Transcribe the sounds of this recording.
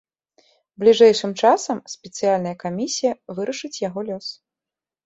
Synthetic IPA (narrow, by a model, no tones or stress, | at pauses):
blʲiʐɛjʂɨmt͡ʂasɐmsʲpʲɛt̪sɨjalʲnɐjɐkamʲisʲijɐvɨɾɐʂɨt͡sʲjaɣɔlʲɔs